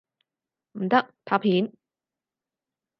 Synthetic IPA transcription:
m̩˨˩t̪ɐ˥k̚t̪ʰaː˧˥˩pʰiː˨˥n

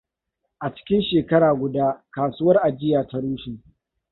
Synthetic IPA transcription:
ʔa˨t͡ʃɪ̥˦kʲɪ˦nʃeː˨kɐ˦ɽaː˨ɡʷʊ˨daː˦kaː˨suː˦wɐ˦rʔa˨d͡ʒɪ˦jaː˨ta˦ɽuː˦ʃi˨

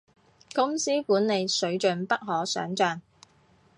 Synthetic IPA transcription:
kʊ˥ŋsiː˥kuː˨˥nne˨˧jsɵ˨˥ɥt͡ʃɵ˨npɐ˥k̚ɦɔː˨˥sœ̰ː˨˥ŋt͡ʃœː˨ŋ

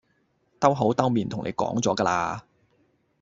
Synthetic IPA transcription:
t̪ɐ˥wɦo˨˥wt̪ɐ˥wmiː˨nt̪ʰʊ˨˩ŋnḛ˨˧jkɔ̰ː˨˥ŋt͡sɔː˨˥kaː˧laː˧

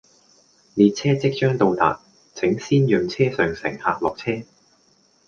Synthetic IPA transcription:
liː˨˧t̚t͡sʰɛː˥t͡sɪ˥k̚t͡ʃœː˥ŋt̪o˧wt̪a̰ː˨˩t̚ | t͡sʰɪ˨˥ŋsiː˥njœː˨˧ŋt͡sʰɛː˥sœː˨˧ŋsɪ̰˨˩ŋhaː˨˧k̚lɔː˨k̚t͡sʰɛː˥

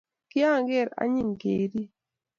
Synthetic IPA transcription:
kɪ˦a˦ŋɡɛ˦˨ɾa̰˦ɲi˦˨ŋɡe˨ɾi˦

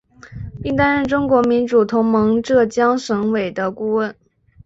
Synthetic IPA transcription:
i˥˧ŋt̪a˥nɻə˥˩nʈ͡ʂʊ˥ŋkwɔ˧˥mi˧˥nʈ͡ʂu˨˩t̪ʰʊ˧˥ŋmɤ˧˥ŋʈ͡ʂɤ˥˩t͡ɕjɑ˥ŋʂɤ˧˥ŋwe˨˩ɪd̪ə˦ku˥˧wə˥˩n

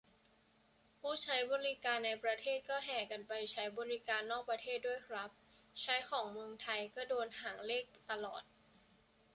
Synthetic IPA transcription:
pʰuː˥˩t͡ɕʰa˦˥jbɔː˧ɾi˦˥kaː˧nːa˧jpɾa˧t̪ʰeː˥˩t̪̚kɔː˥˩ɦɛː˨˩ka˧npa˧jt͡ɕʰa˦˥jbɔː˧ɾi˦˥kaː˧nːɔː˥˩k̚pɾa˧t̪ʰeː˥˩t̪̚du˥˩əjkʰɾa˦˥p̚ | t͡ɕʰa˦˥jkʰɔː˩˦ŋmɯ˧əŋt̪ʰa˧jkɔː˥˩doː˧nɦaː˩˦ŋleː˥˩k̚t̪a˧lɔ̰ː˨˩t̪̚

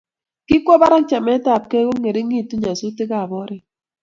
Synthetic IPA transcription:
kɪ˦kʷɔ˦ba˦ɾa˦kt͡ʃa˨mɛ˨˦ta˨p̚kɛ˦ɡo˦ŋe˨ɾe˦ŋi˦˨tu˦ɲa˨su˦tɪ˦ka˦˨bɔ˦ɾɛ˦

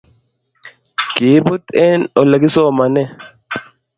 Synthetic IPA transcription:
ɡ̥iː˨bʊ˦t̪ʼe˦nɔ˨lːɐ˨ɡɪ˦so˦mɐ˨nɛ˦

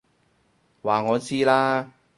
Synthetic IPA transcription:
waː˨˩ŋɔː˨˧˥t͡siː˥laː˥

